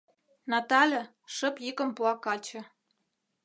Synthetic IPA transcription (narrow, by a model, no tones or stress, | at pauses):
nɑt̪ɑlʲɤ̆ | ʃə̆pjikə̆mpuɑkɑt͡ɕɤ̆